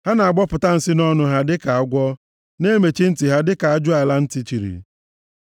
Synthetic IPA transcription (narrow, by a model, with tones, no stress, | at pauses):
ha˦na˨a˨ɡ͡bɔ˦pʊ˨ta˦n̩˨sɪ˦nɔ˦nʊ˦ɦa˦dɪ˦ka˨a˨ɡʷɔ˦ | ne˦me˨t͡ʃi˦n̩˦ti˨ɦa˦dɪ˦ka˨a˨˦d͡ʒʊ˦a˨la˦n̩˦ti˦t͡ʃi˨ɾḭ˨